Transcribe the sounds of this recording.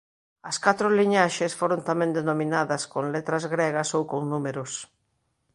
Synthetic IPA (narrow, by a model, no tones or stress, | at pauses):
ɐskat̪ɾʊliɲaʃesfoɾont̪amɛ̃nd̪enomĩnaðɐskoŋlet̪ɾɐzɣɾeɣɐsowkoŋnumeɾʊs